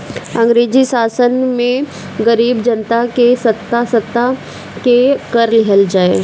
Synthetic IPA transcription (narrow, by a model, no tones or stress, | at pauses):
ɐ̃ŋɡɾeːd͡ʒisaːsənmẽ | ɡɐɾiːbd͡ʒɐnt̪akesɐt̪ːasɐt̪ːa | kekəɾlɪɦəld͡ʒaːe